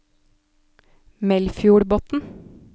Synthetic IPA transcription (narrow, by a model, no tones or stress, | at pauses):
mɛlfjuːɽboːt̪n̩